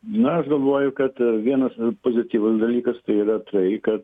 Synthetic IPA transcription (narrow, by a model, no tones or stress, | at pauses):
nʊɐʃɡɐlˠʋoːjʊkɐt̪ʋʲiɛnɐspoːzʲɪt̪ʲiːʋʊsd̪ɐlʲiːkɐst̪ɐɪiːrɐt̪ɐɪkɐt̪